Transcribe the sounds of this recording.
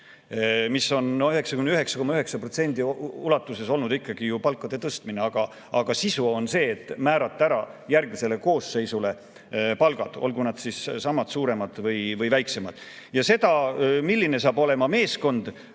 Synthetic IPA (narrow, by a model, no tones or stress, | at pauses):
misːo̞noyɦe̞ksɑkymniyɦe̞ksɑko̞mɑyɦe̞ksɑpro̞t̪send̪̥iulɑt̪ːˑuse̞so̞lnud̪ikːˑɑɡ̥ijupɑlkːɑd̪̥e̞t̪ɤst̪mineɑɡ̥ɑ | ɑɡ̥ɑsisuo̞nse̞ːt̪ːˑmæːɾɑt̪ːˑæɾɑjærɡ̥mise̞le̞ko̞ːsːe̞jsule̞ | pɑlɡ̥ɑd̪̥o̞̰lɡunɑd̪̥sissɑmːɑd̪̥suːɾe̞mɑd̪̥vɤjvɤjvæjkse̞mɑd̪̥ | jɑse̞d̪̥ɑmilʲːine̞s̬ɑːbo̞le̞mɑme̞ːsko̞nd̪̥